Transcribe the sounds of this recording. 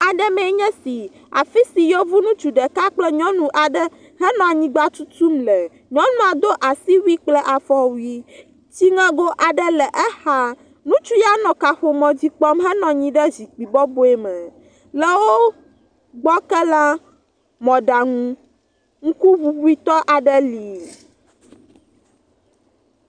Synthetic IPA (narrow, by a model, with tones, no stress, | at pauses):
a˨ɖɛ˦mɛ̃˨˦ɲɛ̃˦si˨ | a̰˨fi˦si˨jo˦vu˦nũ˦t͡ʃu˨ɖɛ˨ka˦k͡plɛ˦ɲɔ̃˦nũ˨ʔa˨ɖɛ˦ | ɦɛ˦nɔ̃˨a˨ɲĩ˨˦ɡ͡ba˦t͡ʃu˦t̪u˦mlɛ˨ | ɲɔ̃˦nũ˦a˨d̪o˦ʔa˨si˦wi˦k͡plɛ˦ʔa˨fɔ˦wi˦ | t͡ɕi˦ŋɛ̃˦ɡo˦ʔa˨ɖɛ˦lɛ˨ʔɛ˦ha˦ | nũ˦t͡ʃu˦ja˦nɔ̃˨ka˨ɸo˨mɔ̃˨d͡ʑi˦k͡pɔ˦mɦɛ˦nɔ̃˨ɲĩ˦ɖɛ˦zi˨k͡pi˨bɔ˦bo˨˦ɛ˨mɛ̃˨ | lɛ˦wo˦ | ɡ͡bɔ˦kɛ˦la˦ | mɔ̃˨ɖa˨ŋũ˦ | ŋ̩˦ku˦βu˦bu˦i˦t̪ɔ˦ʔa˨ɖɛ˦li˨